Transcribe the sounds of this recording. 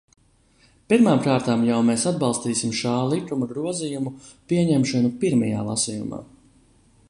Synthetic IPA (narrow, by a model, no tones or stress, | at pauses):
piɾmaːmkaːɾt̪aːmjawmeːsad̪̚bɑlˠst̪iːsimʃaːlˠik̪umuɡɾuɔzijumupiɛɲɛmʃɔnupiɾmaja̰ːlˠa̰sijṵma̰ː